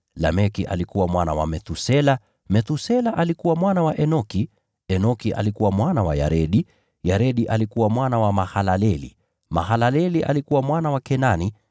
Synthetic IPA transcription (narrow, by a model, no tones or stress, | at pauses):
la̰mɛkiʔa̰likuwamwana̰wa̰mɛt̪usɛla | mɛt̪usɛlaʔalikuwamwanawaʔɛnɔki | ɛnɔkiʔa̰likuwamwanawa̰ja̰ɾɛɗi | jaɾɛɗiʔalikuwamwanawamahalalɛlḭ | ma̰ɦalalɛliʔa̰likuwamwanawakɛnani